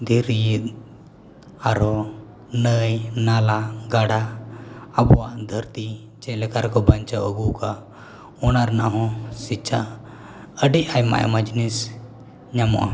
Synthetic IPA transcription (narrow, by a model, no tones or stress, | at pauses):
d̪iɾit̪̚ | aɾɔ | nəjnalaɡaɽaː | bɔwaʔd̪ʱəɾt̪i | t͡ʃɛlɛkaɾkɔbant͡ʃaəɡuka | ɔnaɾnaɦɔ̃sit͡ʃʰa | əɖiajma̰ja̰mad͡ʒnis | ɲamɔ̰ʔa̰